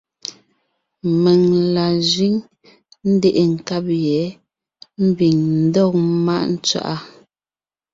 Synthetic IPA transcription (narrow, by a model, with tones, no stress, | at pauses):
mɛ˨ŋla˨zɥi˨˦ŋ | n̩˦de˦ʔe˨ŋ̩˨ka˦p̚jɛ˨˦ | m̩˦bi˨ŋn̩˦dɔ˦˨kma̰˦ʔn̩˦t͡sɥa̰˦ʔa˦